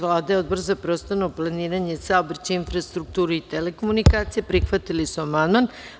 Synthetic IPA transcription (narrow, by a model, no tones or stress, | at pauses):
ʋlˠaːd̪aeo̞d̪̚bo̞ɾzapɾost̪anoplˠaniːɾaɲesaobɾt͡ɕeinfɾast̪ɾuk̚t̪uːɾeit̪elekomunikaːt̪sijepɾixʋat̪ilisuamand̪man